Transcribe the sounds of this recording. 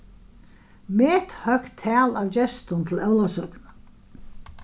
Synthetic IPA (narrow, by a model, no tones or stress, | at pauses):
meːt̪hœktt̪ʰːɛːlavt͡ɕɛst̪ʊnt̪ʰɪlɛwlasœkna